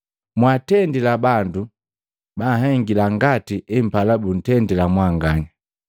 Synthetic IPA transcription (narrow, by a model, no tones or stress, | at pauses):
mwatɛndilabandu | baɦɛŋɡilaŋɡatiʔɛm̩palabun̩tɛndilamwaŋɡaɲa